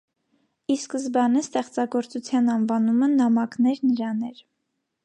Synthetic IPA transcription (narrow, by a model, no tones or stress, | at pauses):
iskəzbɑnəst̪ɛχt͡sɑɡɔɾt͡sut͡sʰjɑnɑnvɑnumənɑmɑknɛɾnəɾɑnɛɾ